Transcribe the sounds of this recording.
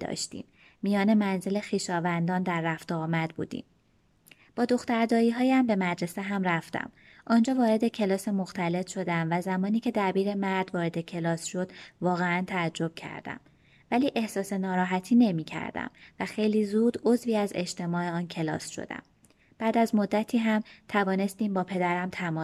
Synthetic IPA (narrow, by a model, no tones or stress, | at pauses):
d̪ɒ̰ːʃt̪ḭːmː | ijɒːne̞mænze̞le̞xiːʃɒːvænd̪ɒːnd̪æɾːæft̪ɒːmæd̪̚bṵːd̪ḭːm | b̥ɒːd̪o̞xt̪æɾd̪ɒːiːɦɒːjæmbe̞mæd͡ʒɾe̞seɦæmɾæft̪æ̰m | ʔɒːnd͡ʒɒːvɒːɾe̞d̪e̞cʰe̞lɒːsemo̞xt̪æle̞t̪ʃo̞d̪æmvæzæmɒːniːcʰe̞d̪æbiːɾe̞mæɾd̪vɒːɾe̞d̪e̞cʰe̞lɒːsʃo̞d̪vɒːɣeænt̪ʰæːd͡ʒːo̞b̥cʰæ̰ɾd̪æ̰m | væliːʔe̞hsɒːse̞nɒːɾɒːɦæt̪ʰiːne̞miːcʰæ̰ɾd̪æ̰mvæxe̞jliːzuːd̪o̞zviːæze̞ʃt̪e̞mɒːe̞ɒːncʰe̞lɒ̰ːsʃo̰d̪æ̰m | b̥æːd̪æzmo̞d̪ːæt̪ʰiːɦæmt̪ʰævɒːne̞st̪iːmbɒːpʰe̞d̪æɾæmt̪ʰæmɒː